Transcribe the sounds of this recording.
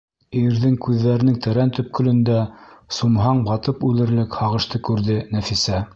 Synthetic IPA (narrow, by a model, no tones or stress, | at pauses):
iɾðɘŋkʉðːæɾɘ̆nɘŋt̪æɾænt̪ɵ̆p̚kɵ̆lɵ̆nd̪æsumɦɑɴbɑt̪ɤpʉlɘ̆ɾlɘkhɑʁɤ̆ʃt̪ɤkʉɾðɘnæfisæ